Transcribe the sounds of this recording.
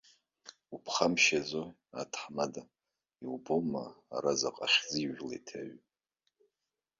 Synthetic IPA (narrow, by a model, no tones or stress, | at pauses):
upʰχamʃad͡zo | atʰħmada | iwboma̰ːɾazaqʼaχʲziʒla̰tʰaɥ